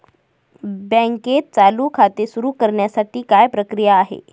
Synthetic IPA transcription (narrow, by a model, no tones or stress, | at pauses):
bə̃ŋket̪̚t͡saluːkʰat̪esuɾuːkəɾɳjasaʈiːkajpɾəkɾijaːɦḛ